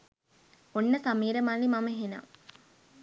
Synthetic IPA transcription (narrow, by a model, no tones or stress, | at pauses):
onːəsamiːɾɐmalimameɦena̰ŋ